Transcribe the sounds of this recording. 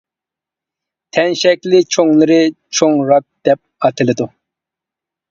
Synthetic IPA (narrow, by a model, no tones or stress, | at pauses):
t̪ʰɛnʃɛkʲlɪt͡ʃʰoŋlˠɨɾɪt͡ʃʰoŋɾɑk̚d̪̥ɛp̚ɑt̪ʰɨlɪd̪u